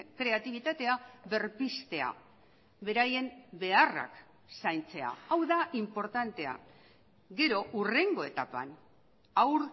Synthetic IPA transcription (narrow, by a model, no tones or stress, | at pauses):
kɾe̞at̪iβ̞it̪at̪e̞aβe̞ɾpist̪e̞a̰ | βe̞ɾaje̞mbe̞ara̰k | sajnt͡se̞a̰awðaʔimpo̞ɾt̪ant̪e̞a̰ | ɡe̞ɾo̞ʔure̞ŋɡo̞e̞t̪apa̰n | awɾ